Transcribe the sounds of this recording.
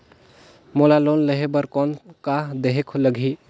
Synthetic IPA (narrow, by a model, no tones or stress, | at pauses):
molalonləɦebəɾkɔnkad̪eɦekʰoləɡʱi